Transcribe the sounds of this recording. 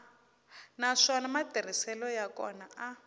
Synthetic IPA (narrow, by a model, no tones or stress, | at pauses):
naʂɔnamatir̤isɛlɔjakɔ̰naa